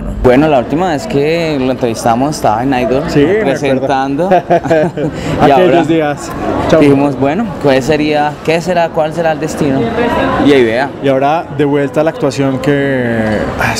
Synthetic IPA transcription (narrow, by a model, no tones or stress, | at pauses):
bwe̞nolault̪imaβe̞skeloent̪ɾe̞βist̪amosest̪a̰βaenajðoɾsipɾesenɾdot̪and̪o | aiaeoɾaozd̪ias | t͡ʃad̪ihimosbwenokes̬e̞ɾiakese̞ɾakwalse̞ɾaeld̪est̪inoiajðeaiaoɾad̪e̞βwe̞lt̪alaːk̚t̪wasjoŋke | a